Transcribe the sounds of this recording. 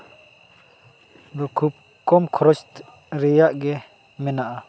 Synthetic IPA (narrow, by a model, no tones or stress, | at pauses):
dɔkʰup̚ | kɔmkʰɔɾɔst̪ | ɾɛjaʔɡɛ | mɛnaʔa